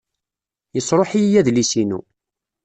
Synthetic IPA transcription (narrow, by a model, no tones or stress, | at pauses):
jəsɾˤoħijæðlisinṵ